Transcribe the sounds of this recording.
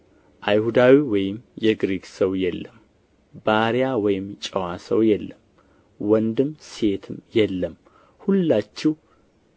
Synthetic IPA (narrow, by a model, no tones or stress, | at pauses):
ʔajhud̪awiwɔjɪmjɛɡɾiɡsəwjɛlːəm | baɾjawɔjɪmt͡ʃʼəwasə̰wjɛlːəm | wɔnd̪ɨmse̞t̪ʰɨmjɛlːəm | hulːat͡ʃːɛw